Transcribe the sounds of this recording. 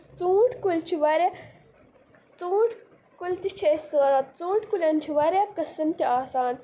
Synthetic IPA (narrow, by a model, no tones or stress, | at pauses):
t͡sũːʈkult͡ʃʰiʋɐɾʲe | t͡sũːʈʰ | kult̪it͡ʃʰesɐɾɐt̪t͡sũːʈkulʲɐnt͡ʃʰiʋɐɾekɐsimt̪ʲiaːsaːn